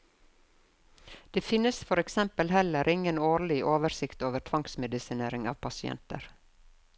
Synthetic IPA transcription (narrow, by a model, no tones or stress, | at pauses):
d̪̥eːfɪnəsfɔɾɛksɛmpəlhɛləɾʔɪŋənoːɾɭɪʔoːʋəsɪkt̪oːʋəʈʰʋɑŋksmɛd̪ɪsɪneːɾɪŋɑ̰ːʋpʰɑsɪɛ̰nt̪ə̰ɾ